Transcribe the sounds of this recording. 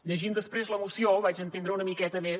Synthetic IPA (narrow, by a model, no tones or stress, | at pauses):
ʎəʒimd̪əspɾezləmusioβat͡ʃənt̪end̪ɾəunəmikɛt̪əme